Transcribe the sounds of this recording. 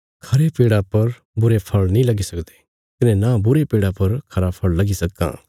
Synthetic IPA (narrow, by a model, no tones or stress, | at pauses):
kʰɐɾepeːɽapɐɾ | bʊɾepʰɐɭnĩlɐɡisɐkd̪e̥ | k̪ɪnɛ̃nãbʊɾepeːɽapɐɾkʰɐɾapʰɐɭlɐɡisɐkːã̰ː